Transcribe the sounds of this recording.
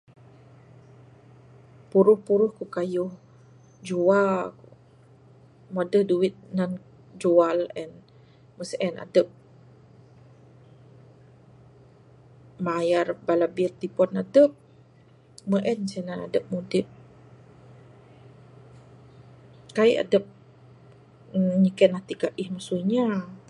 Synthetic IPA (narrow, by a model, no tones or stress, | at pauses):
puɾʊhpuɾʊhkukajʊh | d͡ʒuaku | mɔdəhduwɪt̪̚nan | d͡ʒualɛn | məsɛna̰dəp̚ | majarbalabirt̪ipɔnadəp̚ | məʔɛnsɛnana̰dəp̚mudɪp̚ | kaiʔa̰dəp̚ | ɲikɛnat̪ikaʔihmasuɲa